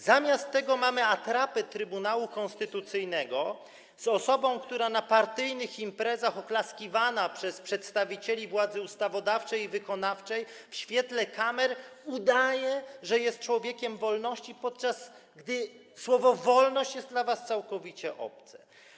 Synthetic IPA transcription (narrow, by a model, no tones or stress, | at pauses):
zamʲjast̪ːɛɡɔmamɘat̪ɾapɛt̪ɾɘbunawukɔ̃nst̪ɘt̪ut̪sɘjnɛɡɔ | z̥ɔsɔbɔ̃w̃kt̪uɾanapaɾt̪ɘjnɘximpɾɛzaxɔklaskʲivanapʂɛspʂɛt̪st̪avʲit͡ɕelʲivwad̪zɘust̪avɔd̪aft͡ʂɛjivɘkɔnaft͡ʂɛjfɕfʲjɛt̪lɛkamɛɾud̪ajɛʐɛjɛst̪̚t͡ʂwɔvʲjɛkʲɛmvɔlnɔɕt͡ɕipɔt̪̚t͡ʂas | ɡd̪ɘ | swɔvɔvɔlnɔɕt͡ɕjɛst̪dlavast̪sawkɔvʲit͡ɕɛʔɔ̰p̚t̪sɛ̥